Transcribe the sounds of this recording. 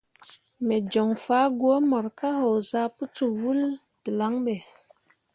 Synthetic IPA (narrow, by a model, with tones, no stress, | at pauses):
me˨d͡ʒɔ˨ŋfa˦ɡwo˦mɔ˨ɾka˦ho˨za˦pu˦t͡su˨wu˦l | di˨la˨˦ŋɓe˨